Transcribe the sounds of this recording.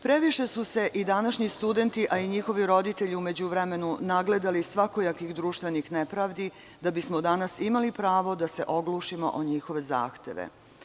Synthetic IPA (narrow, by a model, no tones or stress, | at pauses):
pɾe̞ʋiʃe̞suse̞ʔid̪anaʃɲist̪ud̪e̞nt̪iʔaiɲixo̞ʋiɾo̞d̪it̪e̞ʎiume̞d͡ʑuʋɾeme̞nunaɡle̞d̪alisʋako̞jakʋiɣd̪ɾuːʃt̪ʋe̞nixnepɾaːʋd̪i | d̪abismod̪anasimalipɾaːʋo̞d̪ase̞ʔo̞ɡluːʃimo̞̰ʔoɲixo̞ʋe̞za̰ːxt̪e̞̰ʋḛ